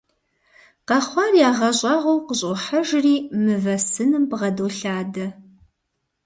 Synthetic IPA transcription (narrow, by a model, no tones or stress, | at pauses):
qɐχʷɑrjaːʁɐɕʼɐʁʷowqəɕʼʊħɐʒriːmɨvɐsɨnɨmpʁɐdoːɬaːdɐ